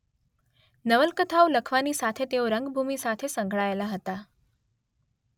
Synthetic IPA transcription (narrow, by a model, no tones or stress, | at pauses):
nəʋəlkət̪ʰaʋləkʰʋaniːsat̪ʰet̪eoɾəŋɡbʱumisat̪ʰesəŋɡʱɭajlaɦət̪a